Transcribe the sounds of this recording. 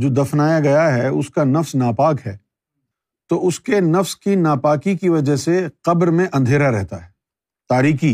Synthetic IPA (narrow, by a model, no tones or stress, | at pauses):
d͡ʒoːd̪ɐfnaːjaɡɐjaɦɛʊskanɐfsnaːpaːkɦɛː | t̪oʔʊskenɐfskinaːpaːkikiʋɐd͡ʒəɦseqɐbɾmẽʔɐ̃nd̪ʱeːɾaɾɛɦt̪aɦɛ | t̪aːɾiːkiː